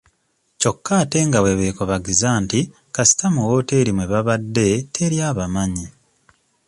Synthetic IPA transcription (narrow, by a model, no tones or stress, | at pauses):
co̞kːaːte̞ŋɡawe̞βeːkoβaɡizaːnti | kasi̥tamuwote̞ːɾimwe̞βaβadːe̞tʰe̞ɾjaːβamaɲi